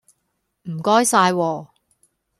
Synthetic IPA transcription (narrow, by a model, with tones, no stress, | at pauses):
m̩˨˩kɔː˥jsaː˧jwɔː˧